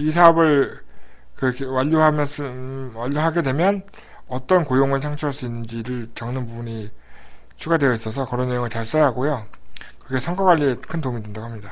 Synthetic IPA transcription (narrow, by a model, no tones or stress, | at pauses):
isʰaʌbɯɭ | kɯkʰwaʎːoɦamj | waʎːoɦaɡe̞dwe̞mjʌn | ʌt͈ʌnkojoŋɯɭsʰaŋt͡ɕʰuaɭs͈uinːɯnd͡ʑiɾɯɭt͡ɕʌŋnɯnbubuɲi | t͡ɕʰuɡadwe̞jʌis͈ʌsʰʌkʌɾʌnːejoŋɯɭt͡ɕaɭs͈ʌjaɦaɡojokɯɡe̞sʰʌŋɡaɡwaʎːie̞kʰɯntomidwendaɡoɦamɲida